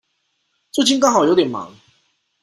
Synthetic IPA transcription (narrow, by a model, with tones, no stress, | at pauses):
t͡su˥˩t͡ɕi˥nkɑ˥ŋxɑ˨˩ʊjo˧˥t̪jɛ˨˩nmɑ̰˨˩˦ŋ